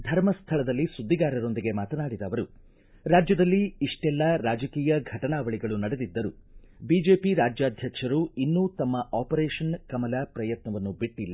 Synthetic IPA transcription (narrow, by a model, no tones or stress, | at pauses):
d̪ʱɐɾmɐst̪ʰɐɭɐd̪ɐlːisud̪ʱːiɡaːɾɐɾo̞nd̪iɡe̞maːt̪ɐnaːɽid̪ɐːʋɐɾu | ɾaːd͡ʒjɐd̪ɐlːiːʂʈɛlːɐɾaːd͡ʒɐkiːjɐɡʱɐʈɐɳaːʋɐɭiɡɐɭunɐɽe̞d̪id̪ːɐɾu | biːd͡ʒe̞ːpiɾaːd͡ʒjaːd̪ʱjɐkʂɐɾuinːuːt̪ɐmːɐʔaːpɐɾɛːʂɐnkɐmɐlɐpɾɐjɐt̪nɐʋɐnːubiʈːilːɐ